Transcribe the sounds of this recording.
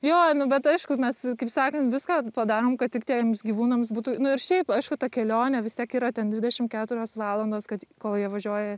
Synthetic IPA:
joːnʊbʲɛt̪ɐɪʃkʊmʲɛskɐɪpsɑːkɐnt̪ʋʲɪskɑːpɐd̪ɑːɾoːmkɐt̪̚tʲɪkt̪ʲiɛmsɡʲiʋuːnɐmsbuːt̪ʊnʊɪɾʃʲɛɪpɐɪʃkʊt̪ɐkʲɛlʲoːnʲɛʋʲɪstʲiɛkiːɾɐtʲɛnd̪ʲʋʲɪdʲɛʃʲɪmkʲæːt̪ʊɾʲoːsʋɑːlˠɐnd̪oːskɐt̪koːlˠjiɛʋɐʒʲuɔjɛ

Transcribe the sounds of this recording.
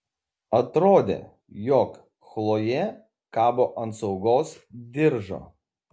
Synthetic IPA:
ɐt̪ɾoːd̪ʲḛː | jɔːk | xlˠoːjɛ | kɑːboːʔɐnt̪sɒʊɡoːsd̪ʲɪɾʒo̰ː

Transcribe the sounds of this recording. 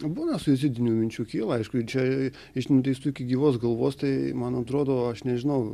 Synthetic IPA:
buːnɐsʊɪzʲɪd̪ʲɪnʲuːmʲɪnʲt͡ʃʲuːkʲiːlˠɐɐɪʃkʊɪt͡ʃʲɛ | ɪʃnʲʊt̪ʲɛɪst̪uɪkʲɪɡʲiːʋoːsɡɐlˠʋoːst̪ɐɪmɐnɐt̪ɾoːd̪oːɐʃnʲɛʒʲɪnɐʊ

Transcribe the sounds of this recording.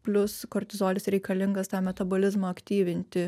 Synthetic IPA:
pʲlʲʊskɔɾʲt̪ʲɪzoːlʲɪsɾʲɛɪkɐlʲɪŋɡɐst̪ɑːmʲɛt̪ɐboːlʲɪzmɐɐkt̪ʲiːʋʲɪnʲt̪ʲɪ

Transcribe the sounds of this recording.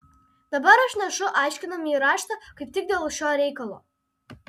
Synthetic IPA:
d̪̥ɐbɐɾɐʃnʲɛʃʊʔɑˑɪʃʲkʲɪnɐmiɾɑːʃt̪ɐkɐɪp̚t̪ʲɪk̚d̪ʲeːlˠʃʲoːɾʲɛɪkɐlˠo̰ː

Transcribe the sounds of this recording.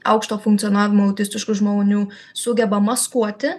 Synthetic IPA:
ɐ̰ʊkʃt̪oːfʊŋktsʲiɔnɑːʋʲɪmoːɐʊt̪ʲɪsʲt̪ʲɪʃkʊʒmoːnʲuː | sʊɡʲɛbɐmɐskuɔt̪ʲɪ

